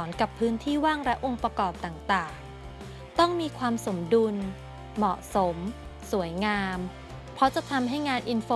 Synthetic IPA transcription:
ɔː˩˦nka˨˩pʰːɯː˦˥nt̪ʰiː˥˩waː˥˩ŋɾɛ˦˥ʔo˧ŋpɾa˧kɔː˨˩p̚t̪aː˨˩ŋt̪aː˨˩ŋ | t̪ɔ˥˩ŋmiː˧kʰwaː˧mso˩˦mdu˧n | mɔ˨˩ʔso˩˦m | su˨˩˦əjŋaː˧m | pʰɾɔ˦˥t͡ɕa˨˩t̪ʰa˧mɦa˥˩jŋaː˧nʔi˧nfoː˧

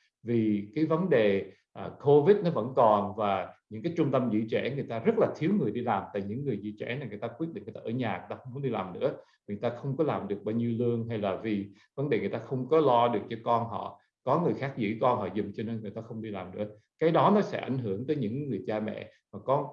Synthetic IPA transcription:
vi˨˩kaː˨˦jvə˨˦nɗe˨˩ | ʔːkʰo˧vi˦˥t̚nɔ˨˦və̰˧˥nkɔ˨˩nvaː˨˩ɲɨ̰˧˥ŋkaː˨˦jt͡ɕʊ˧ŋ͡mt̪ə˧mzḭ˧˥t͡ɕɛ̰˧˩ŋɨ˨˩əjt̪aː˧zə˦˥t̚laː˨˩t̪ʰi˨˦əwŋɨ˨˩əjɗi˧laː˨˩mt̪a̰ː˧˨jɲɨ̰˧˥ŋːɨ˨˩əjzḭ˧˥t͡ɕɛ̰˧˩naː˨˩ŋɨ˨˩ə˩jt̪aː˧kwi˦˥t̚ɗḭː˧˨˩t̪aː˧ʔəː˧˩ɲaː˨˩ŋɨ˨˩t̪aː˧xə˧wŋ͡mxə˧˦ŋ͡mɗi˧laː˨˩mnɨ̰˧˥ə | a˨˩ŋ˨˩jt̪aː˧xə˧wŋ͡mkɔ˨˦laː˨˩mɗɨ˨˩ək̚ɓaː˧wɲi˧wlɨ˧əŋɦa˧jlaː˨˩vi˨˩ | və˨˦nɗe˨˩ŋɨ˨˩jt̪aː˧xə˧wŋ͡mkɔ˨˦lɔ˧ɗɨ˨˩ək̚t͡ɕɔ˧kɔ˧nɦɔ̰˧˨ | kɔ˨˦ŋɨ˨˩əjxaː˦˥k̚zɨ̰˧˥kɔ˧nɦɔ̰˧˨zʊ̰˨˩mt͡ɕɔ˧ne˧nŋɨ˨˩jt̪aː˧xə˧wŋ͡mɗi˧laː˨˩mnɨ̰˧˥ə | kaː˨˦jɗɔ˨˦nɔ˨˦sɛ̰˧˥ʔa̰˧˩jŋ̟ɦɨ˧˩əŋt̪ə˨˦jɲɨ̰˧˥ŋːɨ˨˩əjt͡ɕaː˧mɛ̰˧˨ | vaː˨˩kɔ˨˦

